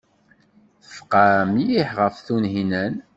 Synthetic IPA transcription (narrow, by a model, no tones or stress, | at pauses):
θə̥fqamjiħʁəfθunɦinæn